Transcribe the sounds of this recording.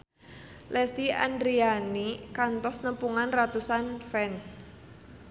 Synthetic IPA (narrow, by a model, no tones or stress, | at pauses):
lʔɛst̪ia̰ndɾianikant̪ɔsnəmpuŋanrat̪usanfɛns